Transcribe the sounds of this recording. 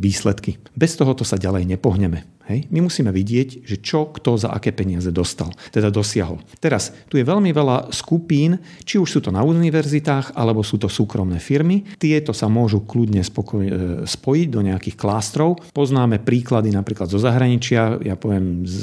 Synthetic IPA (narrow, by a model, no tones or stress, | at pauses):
ʋiːslɛt̪ki | bɛst̪ɔɦɔt̪ɔsaɟalɛjɲɛpɔɦɲɛmɛ | hɛjmimusiːmɛʋiɟɪɛɟʒɛt͡ʃɔkt̪ɔza̰ʔa̰kɛːpɛɲɪazɛd̪ɔst̪a̰lt̪ɛd̪ad̪ɔsɪaɦɔ̰lt̪ɛɾast̪ujɛʋɛʎmiʋɛlaskupiːn | t͡ʃiuʃsuːt̪ɔnauniʋɛɾzit̪aːxalɛbɔsuːt̪ɔsuːkɾɔmnɛːfiɾmit̪ɪɛt̪ɔsamʊɔʒuklud̪ɲɛspɔkɔspɔjiɟd̪ɔɲɛakixklaːst̪ɾɔʊpɔznaːmɛpɾiːklad̪inapɾiːklad̪zɔzaɦɾaɲit͡ʃɪajapɔʋɪɛmz